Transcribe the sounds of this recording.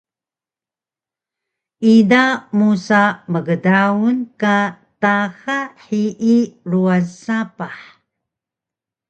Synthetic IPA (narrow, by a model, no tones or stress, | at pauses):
idamusaməɡədaunka | taxaħiʔiɾuazsapaħ